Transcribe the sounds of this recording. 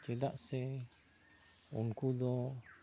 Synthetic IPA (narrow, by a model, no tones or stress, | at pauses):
t͡ʃedaʔse | ṵŋkudo